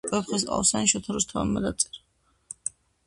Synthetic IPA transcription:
ɛpχisʼa̰saniʃɔt̪ʰaɾɔst̪ʰa̰mːad̪at̪sʼɛɾa

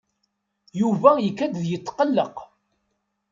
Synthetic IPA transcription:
juvæjəkːæd̪ðjət͡s̪ːqəlːəq

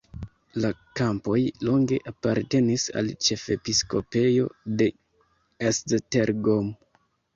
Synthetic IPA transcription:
lakampo̞jlo̞ŋɡe̞̰ʔapaɾte̞nisa̰lt͡ʃe̞fe̞pisko̞pe̞jo̞̰de̞ | esdteɾɡom

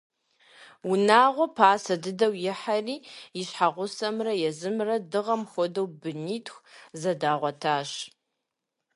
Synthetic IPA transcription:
wʊnaːʁʷɔpʰaːsɐdɨdɐwjɪħariːjɪɕħaʁʷʊsɐmrɐjɛzɨmrɐdɨʁɐmxʷɔdɐwbɨniːtʰxʷzɐdaːʁʷɔtʰaːɕ

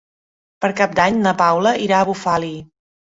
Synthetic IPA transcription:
pəɾkap̚d̪aɲnəpawləiɾaəβufali

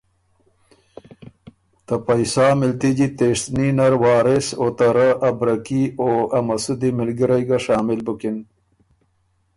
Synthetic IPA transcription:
t̪ɐpɐjsaːmɪlt̪id͡ʑit̪eʂninɐɾwɑːɾesot̪ɐɾaʔɐbɾɐkioːɐmɐsud̪imɪlɡiɾajɡaʂɑːmɪlbukin

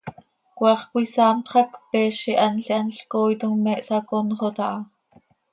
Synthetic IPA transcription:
kwɑːχkwisɑːmt̪χɑkpɛːʃiʔɑnɬiʔɑnɬkoːjt̪uŋmɛʔsɑkonχot̪ɑʔɑ

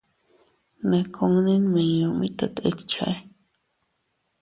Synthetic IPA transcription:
nakʰoŋninmanjomit̪at̪ekt͡ʃʰa̰j

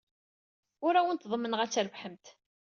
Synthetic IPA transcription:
ʊɾæwənt̪ðˤmːənʁæt͡sːɾəvħəmt̪

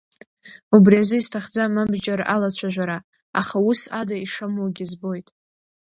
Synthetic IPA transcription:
ubriazɨistʰaχd͡zamabd͡ʒaralat͡ɕʷʰaʒʷᶣaɾa | aχausadaiʂamwoɡʲɪzbo̞jtʼ

